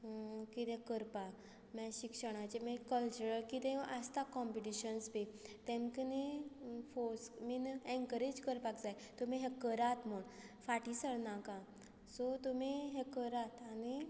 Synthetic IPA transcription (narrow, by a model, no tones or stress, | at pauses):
kit̪ɛ̃kəɾpa | mɛ̃ɕikʂəɽ̃at͡ɕemĩkəlt͡ɕuɾəlkit̪ẽast̪akɔ̃mpiʈiɕənsbet̪ẽmkənefosminɛ̃ŋkəɾed͡ʑkəɾpakd͡zaj | t̪um̤iɦɛkəɾat̪m̤əɳ | faʈisəɭnakã | sɔt̪umiɦekəɾat̪ani